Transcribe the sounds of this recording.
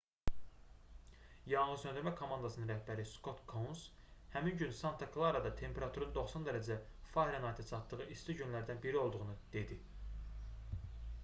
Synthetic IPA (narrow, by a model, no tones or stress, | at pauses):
jɑŋlɯsønd̪yɾmækʰo̞mɑnd̪ɑsɯnɯnɾæhbæɾisko̞t̪kʰons | hæminɟynsɑnt̪ʰɑkʰlˠaɾɑd̪ɑt̪ʰe̞mpʰe̞ɾɑt̪ʰuɾɑnɯnd̪o̞χsond̪æɾæd͡ʒæfɑɾɑnɑjt̪ʰɑt͡ʃʰɑt̪ːɯʁɯʔist̪iɟynlæɾd̪ænbiɾio̞lˠd̪uʁunɯd̪̥e̞d̪i